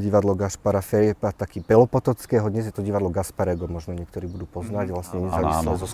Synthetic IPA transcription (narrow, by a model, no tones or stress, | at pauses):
ɟiʋad̪lɔɡaʃpaɾafɛjpat̪akiːpɛlɔpɔt̪ɔt͡skɛːɦɔd̪ɲɛzjɛt̪ɔɟiʋad̪lɔɡaspaɾɛɡɔmɔʒnɔɲɪɛkt̪ɔɾiːbud̪uːpɔznaɟʋlasɲɛɲɛzaːʋislɛzɔ